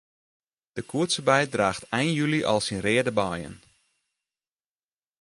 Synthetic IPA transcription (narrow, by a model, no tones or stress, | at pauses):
d̥əkʰuətsəbɛj̚draːxtʰɛjnjyliʔɑ̰lˠsinrɪːədəbɑjə̰n